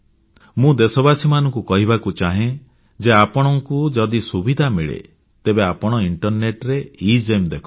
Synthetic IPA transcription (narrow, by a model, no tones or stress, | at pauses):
mũd̪esɔbasimanɔ̃ŋkukɔɦibakut͡ʃaɦẽ | d͡ʒeapɔɽ̃ɔŋkud͡ʒɔd̪isubid̪ʱamiɭḛ | t̪ebeapɔɽ̃ɔiɳʈɔɾneʈɾeid͡ʒemd̪ekʰɔ